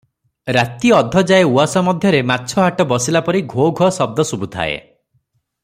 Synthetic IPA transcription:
ɾat̪iɔd̪ʱːɔd͡ʒaeuasɔmɔd̪ʱjɔɾematːt͡ʃʰɔɦaʈɔbɔsilapɔɾiɡʱoɡʱɔsɔb̚d̪ɔsubut̪ʰa̰ḛ

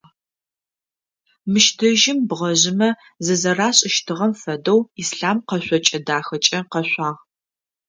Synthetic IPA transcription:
mɨʃtʰɐʒɪmbʁɐʑɪmɐ | zɨzɐraːɕʼɪʃtʰɨʁɐmfɐdɐwisɬaːmqɐɕʷʼɔt͡ʃʼɐdaːxɐt͡ʃʼɐqɐɕʷʼaːʁ

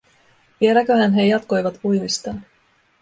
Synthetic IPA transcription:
ʋie̞lækøhænɦe̞jɑt̪ko̞jʋɑt̪pujmist̪ɑː

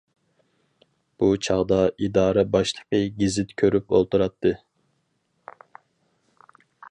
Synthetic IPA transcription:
b̥ut͡ʃʰɑʁd̪ɑid̪ɑːɾɛbɑʃlˠəqəɡʲizɪt̪kʲʰøɾypolˠt̪uɾɑt̪ʰːɨ

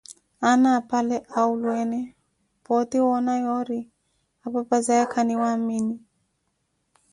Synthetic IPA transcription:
anaːpalɛʔaulwɛnɛ | pɔt̪iwɔnajɔɾi | apapazajakʰaniwamini

